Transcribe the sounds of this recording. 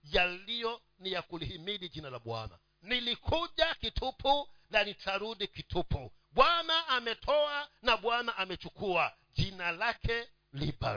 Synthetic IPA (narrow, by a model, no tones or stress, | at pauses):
jalijɔ | nijakulihimiɗid͡ʒinalaɓwa̰na̰ | nilikʰuʄakitʰupʰulanitʰaɾuɗikitʰupʰuɓwanaʔːmɛtʰɔanaɓwanaʔamɛt͡ʃukua | d͡ʒinalakʰɛ | liba̰